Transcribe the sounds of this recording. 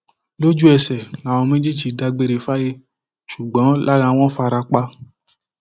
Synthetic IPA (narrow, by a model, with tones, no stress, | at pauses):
lo˦d͡ʒu˦ɛ˧sɛ˨na˨wɔ̃˧mẽ˦d͡ʒe˦d͡ʒi˨da˧ɡ͡be˧˦ɾe˧fa˦je˦ | ʃu˨ɡ͡bɔ̃˨˦la˦ɾã˧w̃ɔ̃˦fa˧ɾa˧k͡pa˧